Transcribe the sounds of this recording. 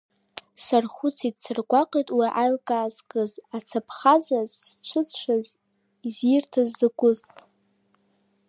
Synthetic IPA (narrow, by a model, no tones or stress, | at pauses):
sarχut͡sʰidsɨrɡʷaqʼejtʼwiʔajlkʼaːzkʼɨzat͡sʰapʰχazazt͡ʃʷʰɨʂʷaz | iziɪrtʰazːɨɡʷʼʊztʼ